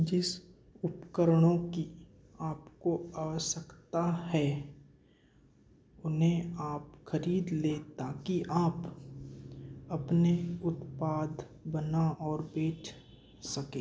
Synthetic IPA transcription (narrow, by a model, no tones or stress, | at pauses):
d͡ʒɪs | ʊpkəɾɽ̃õki | aːpkoaːʋəʃəkt̪aɦɛ | ʊnɦẽaːpxəɾiːd̪leːt̪akiʔaːp | ɐpneʊt̪paːd̪ | bənaʔɔːɾbeːt͡ʃʰ | sɐkẽː